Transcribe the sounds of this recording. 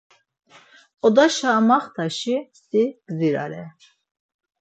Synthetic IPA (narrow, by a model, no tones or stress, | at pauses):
ɔd̪aʃaːmaχt̪ʰaʃisiɡ̥ziɾa̰ɾɛ